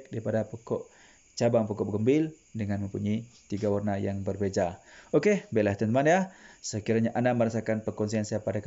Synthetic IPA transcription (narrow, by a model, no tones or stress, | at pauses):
k̚daɾipadapokɔʔ | t͡ʃabaŋpɔkɔɡəmbɪl | dəŋanməmpuɲit̪iɡawarnajaŋbərbed͡ʒaokebelaht̪ənt̪əmanjasəkiɾaɲaʔanaməɾasakanpəkɔns̬iansiapadak